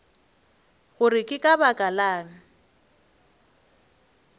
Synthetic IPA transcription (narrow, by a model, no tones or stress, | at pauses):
ɣʊrɪkʼɪkʼabakʼalaːŋ̩